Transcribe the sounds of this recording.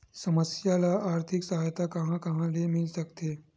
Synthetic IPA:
səməsjalaʔaɾt̪ʰiksəɦajt̪akəɦãkəɦãlemilsəkt̪e

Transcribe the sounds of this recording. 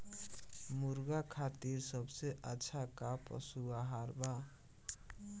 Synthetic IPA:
muɾɡakʰat̪iɾsʌbseʔat͡sʰakapʌ̰suaɦaɾba

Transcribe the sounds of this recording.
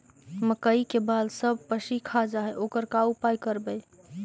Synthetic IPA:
məkəikebalsəb̚pəsikʰad͡ʒaɦɛʔokəɾkaupajkəɾbəj

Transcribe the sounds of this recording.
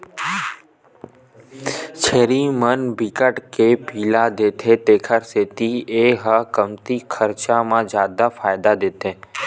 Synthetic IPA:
t͡ʃʰeɾimənbikəʈkepiːlad̪et̪ʰet̪ekʰəɾset̪ieɦəkəmt̪ikʰəɾt͡ʃamãd͡ʒaːd̪afajd̪ad̪et̪ʰe

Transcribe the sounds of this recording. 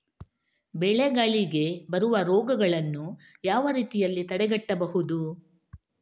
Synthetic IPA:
bɛɭeɡaɭiɡe̞bɐɾuʋɐɾɔːɡɐɡɐɭɐnːu | jaːʋɐɾiːt̪ijɐlːit̪ɐɽɛɡɐʈːɐbɐɦud̪u

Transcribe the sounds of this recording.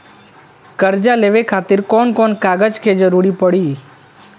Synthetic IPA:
kəɾd͡ʒaleʋekʰaːt̪ɪɾkɔːnkɔːnkaːɡəd͡ʒkʰed͡ʒɾuɽipəɽiː

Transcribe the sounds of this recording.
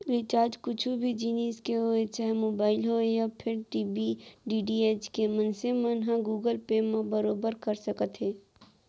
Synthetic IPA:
ɾɪt͡ʃaːɾd͡ʒkʊt͡ʃʰubʱid͡ʒiːniːskeɦoet͡ʃɛɦɛmoːbaːɪlɦojapʰɪɾʈiːbiɖiːɖieːt͡ʃkemə̃nsemənɦãɡuːɡəlpemãbəɾoːbəɾkɐɾsɐkət̪ɦɛː

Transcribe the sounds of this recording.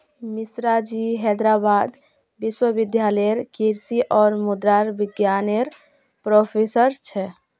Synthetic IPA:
misɾad͡ʒiɦɛd̪ɾabaːd̪ | biswəbid̪jaləɾkiɾsiʔɔːɾmud̪ɾaɾbɪɡjaneɾ | pɾopʰesəɾt͡ʃʰɛ

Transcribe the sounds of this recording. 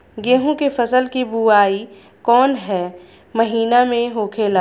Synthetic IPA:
ɡeːɦõkefɐsəlkibuaːi | kɔːnɦɛː | mɐɦiːnamẽɦoːkʰelaː

